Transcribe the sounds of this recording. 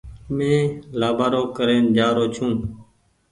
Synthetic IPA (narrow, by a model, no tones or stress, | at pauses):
mẽːlaːbaːɾoːkəɾẽːnd͡ʒaːɾoːt͡ʃʰũː